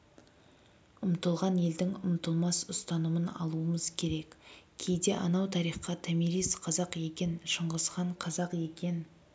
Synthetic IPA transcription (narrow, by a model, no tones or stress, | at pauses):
ʊmt̪əlˠʁɑnje̞ld̪ɪŋʊmt̪əlˠmɑsʊst̪ɑnumənɑ̰lˠuəməzkʲʰe̞ɾe̞kkʲʰe̞jd̪e̞ʔɑ̰nɑwt̪ʰɑɾijχqɑt̪ʰæmiɾijsqʰɑzɑqje̞kʲe̞nʃəɴʁəsqɑɴqʰɑzɑqje̞kʲe̞n